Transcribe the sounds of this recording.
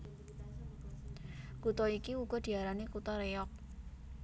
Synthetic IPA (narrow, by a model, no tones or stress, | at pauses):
kut̪ɔikiuɡ̥ɔ̤d̪̥i̤aɾanekut̪ɔɾeɔk̚